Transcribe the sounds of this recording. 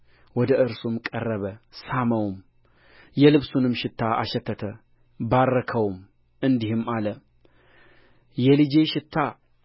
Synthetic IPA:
wɔd̪əʔɨɾsumkʼərːəβəsaməwm | jɛlɨβsunɨmʃɪt̪ʰːaʔa̰ʃɛt̪ʰːət̪ʰə | baɾːəkʰəwm | ɨnd̪ihɨmalə | jɛlɨd͡ʒe̞ʃɪt̪ʰːa

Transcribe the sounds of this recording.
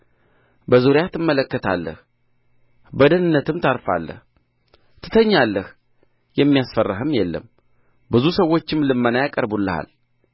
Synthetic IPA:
bəzoɾjat̪ʰɨmːələkːət̪ʰa̰lːə̰h | bəd̪ənɨnːət̪ʰɨmt̪ʰaɾfa̰lːə̰h | t̪ʰɨ̥t̪ʰəɲːalːəh | jɛmːijasfərːɨɦɨmjɛlːə̰m | bɨzusəwːo̞t͡ʃːɪmlɨmːənajakʼəɾbulːɨha̰l

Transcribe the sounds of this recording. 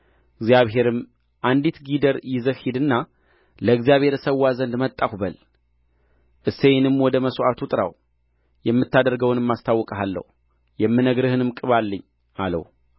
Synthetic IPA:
ɨɡzjaβɦe̞ɾɨm | ʔand̪it̪ɡid̪əɾjɪzəhhid̪ɨnːa | ləɨɡzijaβhe̞ɾsəwːazənd̪mət̪ʼːakbəl | ʔɨsejnɨmwɔd̪əməsʔat̪ʰut̪ʼɨɾa̰w | jɛmːɨt̪ːad̪əɾɡəwnɨmːast̪ʰawːɔkʼəɦalːə̰h | jɛmːɨnəɡɾɨhɨnɨmkʼɨβalːəɲː | alə̰h

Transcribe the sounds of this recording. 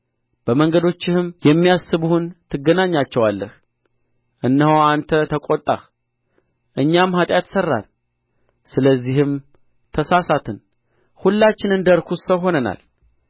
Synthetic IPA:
b̥əməŋɡəd̪o̞t͡ʃːɪhɨmjɛmːijasːɨβuhunt̪ʰɨɡːənaɲːat͡ʃːɛwalːəh | ʔɨnːəhoant̪ʰət̪ʰəkʼot̪ʼːa̰x | ʔɨɲːamhat̪ʼjat̪sərːa̰l | sɨləzːihɨm | t̪ʰəsasat̪ʰɨn | hulːat͡ʃːɪnɨnd̪əɾkʰusəwɦo̞nəna̰l

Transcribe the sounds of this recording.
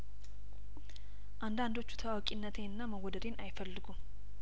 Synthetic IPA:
ʔand̪and̪o̞t͡ʃːu̥t̪ʰəwawkʼinːət̪ʰeɨnːaməɡod̪əd̪e̞nʔajfəlːɨɡum

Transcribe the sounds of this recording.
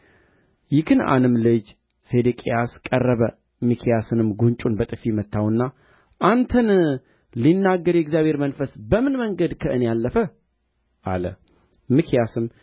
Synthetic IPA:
jɪkʰɨna̰nɨmlɨd͡ʒ | sed̪ɨkʼḭjaskʼərːəβə | mɨkʰijasɨnɨmɡunt͡ʃʼunbət̪ʼɨfimət̪ʰːawɨnːa | ʔant̪ʰən | linːaɡːəɾjɛɡzjaβʱheɾmənfəsbəmɨnməŋɡəd̪kʰəʔɨnejalːəfə | ʔa̰lə | mɨkʰijasɨm

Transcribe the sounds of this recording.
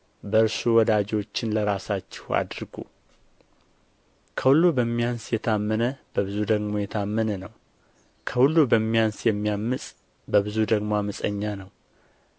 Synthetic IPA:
bəɨɾsuwɔd̪ad͡ʒot͡ʃːɪnləɾasat͡ʃːɪ̥ha̰d̪ɾɡṵ | kʰəhulːubəmːijansjɛt̪ʰamːənəb̥əβɨzud̪əɡmo̞jɛt̪ʰamːənənəw | kʰəhulːubəmːijansjɛmːijamːɨsʼ | bəβɨzud̪əɡmoaməsʼəɲːanəw

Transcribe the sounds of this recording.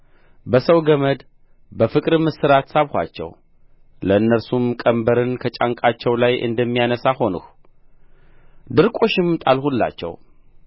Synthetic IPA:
bəsəwɡəməd̪ | bəfɨkʼɾɨmɨsɨɾat̪saβhʷa̰t͡ʃːɛ̰w | ləɨnːəɾsumkʼəmbəɾɨnkʰət͡ʃʼaŋkʼat͡ʃːɛwlajʔɨ̰nd̪əmːijanəsaho̞nṵx | d̪ɨɾkʼo̞ʃɪmt̪ʼalhulːa̰t͡ʃːɛ̰w

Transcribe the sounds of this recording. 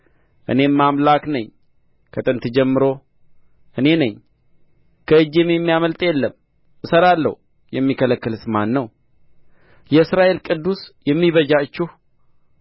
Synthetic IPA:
ʔɨ̰ne̞mamlaknəɲ | kʰət̪ʼɨnt̪ɨd͡ʒɛmːɨɾo̞ | ʔɨne̞nəɲ | kʰəɨd͡ʒememːijaməlt̪ʼjɛlːəm | ɨsəɾalːə̰h | jɛmːikʰələkːɨlsɨmanːəw | jɛɨsɾaʔe̞lkʼɨd̪ːusjɛmːiβəd͡ʒat͡ʃːuh

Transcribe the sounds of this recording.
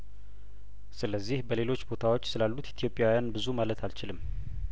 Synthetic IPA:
sɨləzːihbəle̞lo̞t͡ʃːbo̞t̪ʰawo̞t͡ʃːsɨlalːut̪it̪ʰijopʼjawjanbɨzumalət̪ʰalt͡ʃɪlɨmː

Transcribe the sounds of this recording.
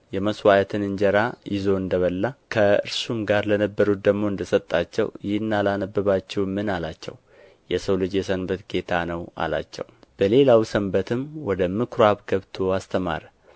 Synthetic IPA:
jɛməswajət̪ʰɨnɨnd͡ʒəɾajɪzo̞ɨnd̪əβəlːakʰəɨ̰ɾsumɡaɾlənəbːəɾut̪̚d̪əɡmo̞ɨnd̪əsət̪ʼːat͡ʃːɛ̰wjɪhɨnːalanəbːɨβat͡ʃːɛwmːɨnalat͡ʃːɛ̰w | jɛsəwlɨd͡ʒjɛsənbət̪ɡe̞t̪ʰanəwa̰la̰t͡ʃːɛ̰wb̥əle̞lawsəmbət̪ʰɨmwɔd̪əmɨkʰɾoaβɡəβt̪ʰo̞ast̪ʰəma̰ɾə

